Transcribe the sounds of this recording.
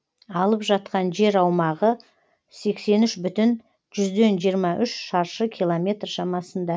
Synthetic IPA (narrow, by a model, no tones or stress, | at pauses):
ɑlˠəpʒɑt̪qɑnʒe̞ɾɑwmɑʁə | se̞kse̞nʏʃbʏt̪ɪn | ʒʏzd̪e̞nʒijəɾmɑʔʏʃʃɑɾʃəkʲʰilˠomʲe̞t̪rʃɑmɑsənd̪ɑ